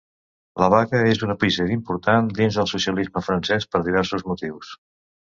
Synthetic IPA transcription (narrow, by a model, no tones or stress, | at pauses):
ləβakəezunəpizəimpuɾt̪and̪inzðəlˠsusiəlizməfɾənsɛspəɾðiβ̞ɛɾsuzmut̪iws